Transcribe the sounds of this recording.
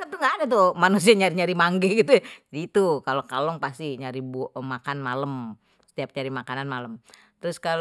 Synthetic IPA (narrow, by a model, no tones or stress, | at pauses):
kant̪uŋɡadɛt̪umanus̬iaɲaɾiɲaɾimaŋɡɛɡit̪ujd͡ʒadiːt̪ukalokalɔŋpast̪iɲaɾibmakanmaləm | sə̥t̪iap̚ɲaɾimakananmaləm | t̪əɾʊskal